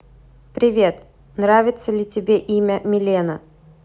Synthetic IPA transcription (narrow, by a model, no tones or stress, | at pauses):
pɾʲɪvʲe̞t̪ | nɾavʲɪt̪səlʲɪtʲɪbʲeʔimʲəmʲɪlʲenə